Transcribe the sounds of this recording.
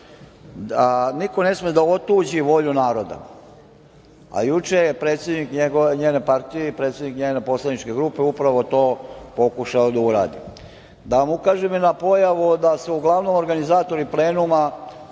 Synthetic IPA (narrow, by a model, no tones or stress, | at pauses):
niko̞ne̞smid̪aot̪uːd͡ʑiʋo̞ʎunaːɾo̞d̪a̰ | a̰jut͡ʃejepɾet̪sʲje̞d̪nikɲeɡoɲeːne̞paɾt̪ijeipɾe̞t̪sʲjed̪nikɲeːne̞po̞slˠad̪nit͡ʃke̞ɡɾuːpe̞upɾaʋo̞t̪o̞ːpo̞kuʃaod̪auɾa̰ːd̪ḭ | d̪aʋamukaːʒeminapo̞jaʋud̪aseuɡlˠaʋno̞mo̞ɾɡanizaːt̪o̞ɾiple̞ːnuma